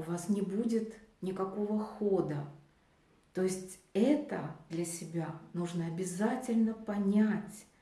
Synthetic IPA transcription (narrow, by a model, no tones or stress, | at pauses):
ʊvasnʲɪbudʲɪt̪nʲɪkɐko̞vəxod̪ə | t̪o̞ɪsʲtʲɛt̪ə̰d̪lʲɐsʲɪbʲanuʐnəɐbʲɪzatʲɪlʲnəpɐnʲætʲ